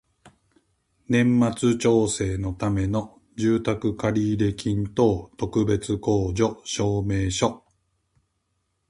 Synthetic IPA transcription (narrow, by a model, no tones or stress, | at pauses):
nẽ̞mːat͡sɨt͡ɕo̞ːse̞ːno̞t̪ame̞no̞ | d͡ʑɨːt̪akɯ̟kaɾʲiːɾe̞kʲĩnt̪o̞ːt̪o̞kɯ̟be̞t͡sɨko̞ːd͡ʑo̞ɕo̞ːme̞ːɕo̞